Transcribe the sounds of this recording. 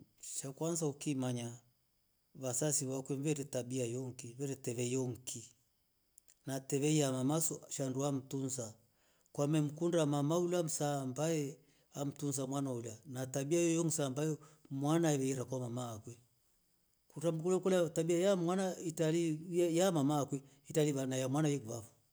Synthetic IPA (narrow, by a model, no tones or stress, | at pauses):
t͡ʃakwanzaukimaɲa | βasasiβakwɛmvɛɾɛtabiajɔŋkimvɛɾɛtɛβɛjɔŋ̩ki | natɛβɛiamamasɔʃanduam̩tunsa | kwamɛm̩kundamamaulam̩saːmbajɛ | am̩tunsamwanaulanatabiajɔjɔŋ̩saːmbajɔmwanaɛβɛiɾakwamamaːkwɛ | kuɾam̩kulɛkɔlatabiajamwanaitalijamamaːkwɛ | italiβanajamwanajɛkβafɔ̥